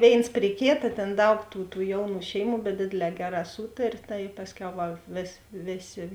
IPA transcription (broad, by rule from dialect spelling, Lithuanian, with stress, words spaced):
ˈʋʲeːɪns pʲrʲɪ ˈkʲeːtɐ ˈtʲeːn ˈdɐʊk tuː tuː ˈjɛʊˌnuː ˈʃʲɛɪˌmuː bʲɛt ˈdʲeːdʲeːˌlʲɛː ˈɡʲæːˌrɑː ˈsuːtɐrʲeː tɐɪ ˈpɑːsʲˌkʲɛʊ ˈʋɐ ʋʲeːs ˈʋʲeːˌsʲeː